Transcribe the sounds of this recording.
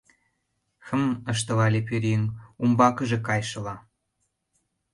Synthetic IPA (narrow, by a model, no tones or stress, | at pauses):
xə̆mə̆ʃ̬t̪ə̆lɑlʲep̬yɾʲeŋumbɑkəʒĕkɑjʃə̆lɑ